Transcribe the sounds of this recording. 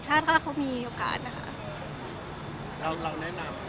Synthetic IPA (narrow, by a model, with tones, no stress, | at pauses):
t͡ɕʰaː˥˩t̪̚kʰaː˥˩kʰa˧˥wmiː˧ʔoː˨˩ka̰ː˨˩t̪̚na˦˥kʰa̰˦˥ʔ | ɾa˧wɾa˧wnɛ˦˥na˧m